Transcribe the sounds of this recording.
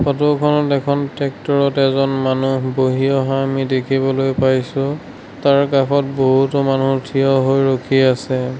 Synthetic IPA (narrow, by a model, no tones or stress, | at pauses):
pɔtɔkʰɔnɔtɛkʰɔntɛk̚tɔɹɔtɛzɔnmanuboɦiɔɦaamidekʰibɔlojpajsʊ̃ | taɹkakʰɔt̚boɦutɔmanutʰijɔɦojɹokʰiasɛ